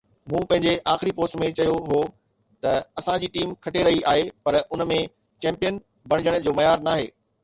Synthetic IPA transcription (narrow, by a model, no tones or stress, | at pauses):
mũːpɐ̃ɦɪ̃ɲd͡ʑeʔaːxɪɾipoːsʈmẽt͡ɕɐjoɦoː | t̪ɐɐsãd͡ʑiːʈiːmkʰɐʈeɾɐɦiʔaːɦepɐɾʊnmẽ | t͡ɕɛ̃ːmpijən | bɐɽ̃ɪ̃d͡ʑəɽ̃d͡ʑoːmɐjaːɾnaːɦeː